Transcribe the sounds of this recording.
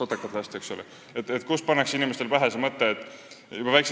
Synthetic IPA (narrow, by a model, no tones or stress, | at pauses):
od̪̥ekːˑɑt̪ːˑeɑsʲt̪eeksole | et̪ːet̪kuspɑnːɑksinimest̪e̞lpæɦesemɤt̪ːeːt̪ːˑ | jub̥ɑvæjkse